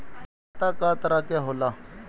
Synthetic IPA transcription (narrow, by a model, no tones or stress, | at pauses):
t̪aːkaːt̪əɾaːkeɦolaː